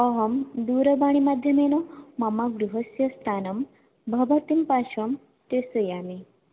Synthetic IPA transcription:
ɐɦɐmd̪uːɾɐbaːɽ̃imaːd̪ʱjɐmenomɐmaɡɾuɦɐsjɐst̪ʰaːnɐm | bʱɐʋɐt̪impaːʃɐm | t̪eːsɐjaːmi

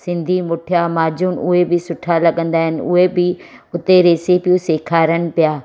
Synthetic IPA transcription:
sɪ̃nd̪ʱimʊʈʰijamaːd͡ʑʱuːnʔʊɦebɪsʊʈʰalɐɠə̃nd̪aːɦɪnɪ̆ʊ̰ɦebɪ | ʊt̪eɾeːsipijũseːkʰaːɾənɪ̆pijaː

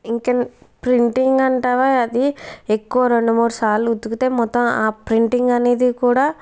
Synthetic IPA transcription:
iŋkenpɾiɳʈiŋɡɐɳʈaːʋaːɐd̪iekːuʋɐɾe̞ɳɖumuːɽusaːluut̪ːukut̪e̞ːmɔt̪ːɐmaːpɾiɳʈiŋɡɐne̞ːd̪ikuːɽaː

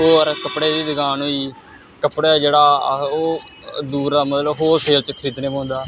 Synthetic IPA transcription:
oːəɾkəpɽeːd̪iːd̪əɡaːnɦoːiː | kəpɽeːd͡ʒeːɽaːoːd̪uːɾd̪aːmət̪ləbɦoːɾpʰeːlt͡ʃəkʰəɾiːt̪neːpãːnd̪aː

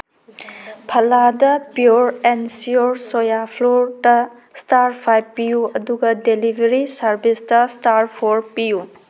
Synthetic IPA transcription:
pʰɐladɐpjuɾensioɾsojapʰloɾtɐ | staɾpʰajbpijuɐduɡɐdelibʱeɾisɐɾbʱistɐstaɾpʰoɾpiju

